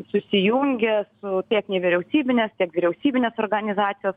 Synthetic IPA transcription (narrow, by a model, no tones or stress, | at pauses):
sʊsʲɪjʊŋʲɡʲɛsʊt̪ʲiɛknʲɛʋʲɪɾʲɛʊsʲiːbʲɪnʲɛst̪ʲiɛkʋʲiɾʲɛʊsʲiːbʲɪnʲeːsoːrɡɐnʲɪzɑːt̪sʲɪjoːs